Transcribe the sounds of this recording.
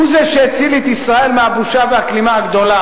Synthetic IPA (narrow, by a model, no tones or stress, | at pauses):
uzeʃeet͡silit̪isʁae̞lmeabuʃavehaklimaaɡd̪o̞la